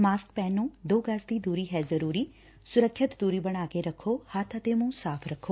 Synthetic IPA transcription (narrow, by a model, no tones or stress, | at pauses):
maːskpɛ̃ːnːũːd̪oːɡaːsd̪id̪uːɾiɦɛzəɾuːɾiː | sʊɾəkʰːət̪d̪uːɾibəɳ̃aːɡeɾəkʰohat̪ʰat̪eːmũsaːpʰɾəkʰoː